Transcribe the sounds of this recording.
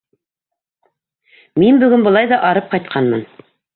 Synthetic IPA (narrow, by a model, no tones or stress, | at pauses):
minbɵ̆ɡɘnbɤ̆lˠɑjðɑʔɑɾɤp̚qɑjt̪̚qʰɑnmɤn